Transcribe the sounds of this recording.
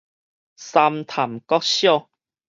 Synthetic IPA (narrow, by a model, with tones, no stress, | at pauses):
sa˧mt̪ʰa˨˩mkɔ˦˥k̚ɕjɔ˥˧˨